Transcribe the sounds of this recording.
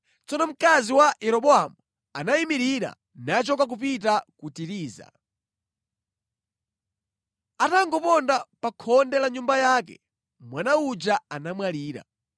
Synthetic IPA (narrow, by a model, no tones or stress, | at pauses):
t͡sɔnɔm̩kaziwajɛɾɔɓɔamu | anaimiɾiɾa̰ | nat͡ʃɔkak̬up̬it̬akutiɾiːza̰ | ataŋɡɔpɔndapakʰɔndɛlaɲumbajaːk̬ɛ̰ | mwanaud͡ʒaanamwaliːɾa̰